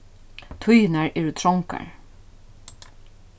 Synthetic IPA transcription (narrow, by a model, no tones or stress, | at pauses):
t̪ʰʊjnaɹɛɹt̪ʰɾɔŋka̰ɹ